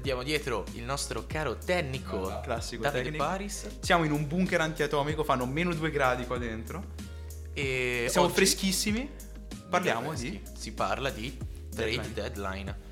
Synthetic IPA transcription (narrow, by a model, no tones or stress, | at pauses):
and̪jaːmod̪jɛːt̪ɾoḭlnɔst̪ɾʔokaːɾot̪ɛnːikʰoklasːikoainpaːɾis | sjaːmoinumbuŋkeɾant̪iat̪ɔmikofanːomeːnod̪uːeɡɾaːd̪ikwad̪ːent̪ɾo | esjamofɾesk̟isːimi | parljaːmoi | sipa̰rlad̪i | t̪ɾej̪d̪ɛd̪la̰jn